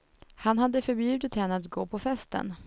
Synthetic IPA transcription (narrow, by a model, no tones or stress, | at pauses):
hanɦad̪ːəfœɾbjʉ̟ːd̪ət̪hɛnːəat̪ɡoːpʰɔfɛst̪ə̰n